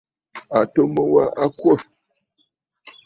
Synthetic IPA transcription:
a˨to˦mə˦wa˦ʔa˦kwə˦˨

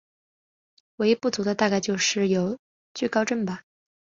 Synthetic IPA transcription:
we˧˥ɪ˧˥pu˥˩t͡su˧˥d̪ə˧t̪a˥˧ka˥˧ɪt͡ɕjo˥˧ʊʂɻ̩˥˩jo˨˩˥ʊ | t͡ɕy˥˩kɑ˥ʊʈ͡ʂə˥˩nbɐ˨˩

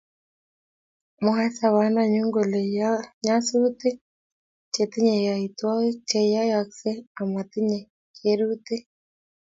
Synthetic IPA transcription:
mo˨ɦa˦sa˨βa˨˦na˨ɲu˦ŋɡo˨le˨a˦ɲa˦su˦te˦ | t͡ʃe˨t̪i˦ɲɛ˨ja˨i˨twa˦t͡ʃɛ˨ja˦jaksɛ˦a˨ma˨t̪i˦ɲɛ˨ | keɾu˦te˦

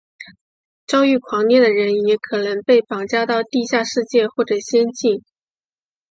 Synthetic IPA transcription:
ʈ͡ʂɑ˥ʊy˥˩kʰwɑ˧˥ŋnjɛ˥˩d̪ə˩ɻə˧˥njɛ˧˥kʰɤ˨˩nɤ˧˥ŋpe˥˩ɪpɑ˨˩ŋt͡ɕja˥t̪ɑ˥˧ʊt̪i˥˧ɕja˥˧ʂɻ̩˥˧t͡ɕjɛ˥˧xwɔ˥˩ʈ͡ʂɤ˨˩ɕjɛ˥nt͡ɕi˥˩n

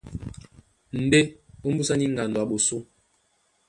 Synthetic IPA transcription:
n̩˨de˦o˦m̩˦bu˦sa˦ni˦ŋ̩˨ɡa˨ndwa˨ɓo˨so˦

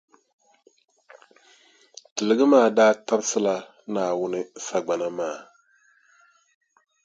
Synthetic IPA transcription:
tɨ˨lɨ˨ɡɨ˦maː˦˨daː˦ta˦bsɨ˦la˦ | naː˨wʊ˦nɨ˦sa˨ɡ͡ba˨na˦maː˦˨

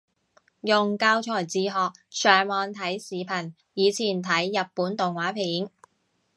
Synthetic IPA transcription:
jʊ˨ŋkaː˧wt͡ʃʰɔː˨˩jt͡siː˨˧ɦɔː˨k̚sœː˨˩ŋmɔː˨nt̪ʰɐ˨˥jsiː˨pʰɐ˨˩n | jiː˨˧t͡sʰiː˨˩nt̪ʰɐ˨˥jːɐ˨t̚pːuː˨˥nt̪ʊ˨ŋwaː˨˥pʰiː˨˥n

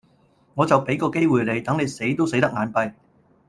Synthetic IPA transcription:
ŋɔː˨˧t͡sɐ˨wpe˨˥jkɔː˧ke˥jwuː˨jle˨˧jt̪ɐ˨˥ŋne˨˧jse˨˥jt̪o˥wse˨˥jt̪ɐ˥k̚ŋaː˨˧npɐ˧j

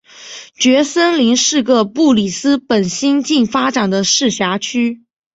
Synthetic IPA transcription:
t͡ɕɥɛ˧˥sə˥nli˧˥ŋʂɻ̩˥˧kə˥˧pu˥˩li˨˩sɹ̩˥pə˨˩nɕi˥nt͡ɕi˥˩ŋfa˥ʈ͡ʂa˨˩nd̪ə˦ʂɻ̩˥˩ɕja˧˥t͡ɕʰy˥

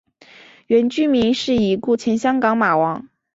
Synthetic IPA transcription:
ɥɛ˧˥nt͡ɕy˥mi˧˥ŋʂɻ̩˥˩i˨˩ku˥˩t͡ɕʰjɛ˧˥nɕjɑ˥ŋkɑ˧˥ŋma˨˩wɑ˧˥ŋ

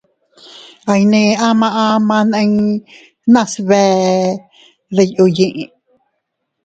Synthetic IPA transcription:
a˧jnĩ˧ã˦mã˧ʔã˧mã˧nã˧i | nã˦sβɛ˧ | ðe˧ju˧jĩ˧ʔĩ˧

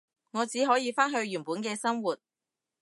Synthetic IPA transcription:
ŋɔː˨˧t͡siː˨˥ɦɔː˨˥jiː˧faː˥nɦɵ˧ɥɥyː˨˩puː˨˥nkɛː˧sɐ˥mwuː˨t̚

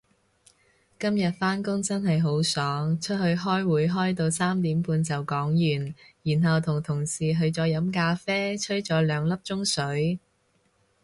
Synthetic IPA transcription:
kɐ˥mjɐ˨t̚faː˥nkʊ˥ŋt͡sɐ˥nɦɐ˨jɦo˨˥wsɔː˨˥ŋt͡ʃʰɵ˥t̚hɵ˧ɥɦɔː˥jwuː˨˥jɦɔː˥jt̪o˧wsaː˥mt̪iː˨˥mpuː˧nt͡sɐ˨wkɔː˨˥ŋjyː˨˩njiː˨˩nɦɐ˨wt̪ʰʊ˨˩ŋt̪ʰʊ˨˩ŋsiː˨˩ɦɵ˧ɥt͡sɔː˨˥jɐ˨˥mkaː˧fɛː˥t͡ʃʰɵ˥ɥt͡sɔː˨˥lœː˨˧ŋlɐ˥p̚t͡ʃʊ˥ŋsɵ˨˥ɥ

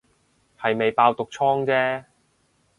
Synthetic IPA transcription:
hɐ˨jme˨jpaː˧wt̪ʊ˨k̚t͡ʃʰɔː˥ŋt͡sɛː˥

